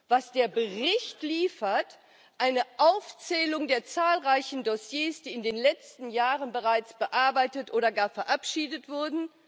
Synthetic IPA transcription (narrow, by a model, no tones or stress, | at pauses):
v̥asd̥eːɐbəʁɪçtliːfɐt | ʔaɪnəʔaʊft͡sɛːlʊŋdeːɐt͡saːlʁaɪçn̩dosjeːsd̥iːɪndeːnlɛt͡stn̩jaːʁənbəʁaɪt͡sb̥əʔaɐbaɪtətʔoːɾɐɡaːɐfɛɐʔapʃiːdətv̥ʊɐdn̩